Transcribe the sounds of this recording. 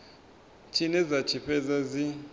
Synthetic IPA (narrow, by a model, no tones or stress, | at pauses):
t͡ʃʰinɛzḁt͡ʃʰipʰɛzazi